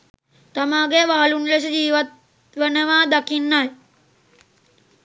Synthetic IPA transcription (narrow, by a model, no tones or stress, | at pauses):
t̪amaːɡeʋaɦalunles̬əd͡ʒiːʋat̪ | ʋənəʋaːd̪akinːaj